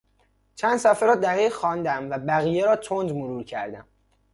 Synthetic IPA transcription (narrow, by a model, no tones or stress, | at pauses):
t͡ʃʰænd̪sæfeɾɒːd̪æhejxɒːnd̪æmvæbæɣiːjeɾɒːt̪ʰond͡ʒmoɾuːɾcʰæɾd̪æm